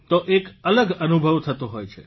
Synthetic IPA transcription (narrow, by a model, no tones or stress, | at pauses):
t̪oʔekələɡənubʱəʋt̪ʰət̪oɦojt͡ʃʰe